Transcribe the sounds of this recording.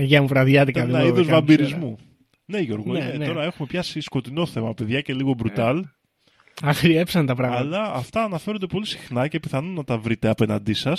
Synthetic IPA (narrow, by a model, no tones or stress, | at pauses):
ʝɐmuvɾɐðjɐt̪ikɐlnɐiðozvɐmbiɾizmu | ne̞ʝo̞ɾɣoipenoɾɐe̞xume̞pçɐsisko̞t̪ino̞θe̞mɐpe̞ðʝɐce̞liɣo̞bɾut̪ɐl | ɐxɾiepsɐnt̪ɐpɾɐɣɐlɐːft̪ɐːnɐfeɾond̪e̞po̞lisi̥xnɐce̞piθɐnonɐt̪ɐvɾit̪e̞ɐpe̞nɐnd̪isɐs